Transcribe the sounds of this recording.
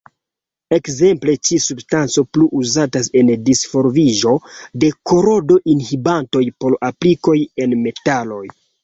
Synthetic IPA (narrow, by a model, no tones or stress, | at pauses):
e̞kze̞mple̞t͡ʃisubstant͡so̞pluʔuzatase̞ndisfo̞ɾviʒo̞de̞ko̞ɾo̞do̞ʔinhibanto̞jpo̞ɾapliko̞je̞nme̞talo̞j